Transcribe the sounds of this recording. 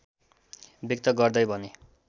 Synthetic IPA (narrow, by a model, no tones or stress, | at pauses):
bik̚t̪ʌɡʌrd̪ʌjbʱʌne